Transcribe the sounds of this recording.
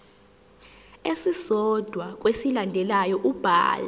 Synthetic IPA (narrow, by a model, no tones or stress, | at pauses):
esisɔd̥ʱwak̬ʼwesilandʱɛlajɔʔub̥ʱa̰ːla